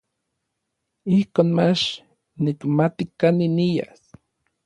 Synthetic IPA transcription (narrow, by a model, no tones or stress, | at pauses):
ihkoːnmat͡ʃ | nikmat̪ikaninija̰s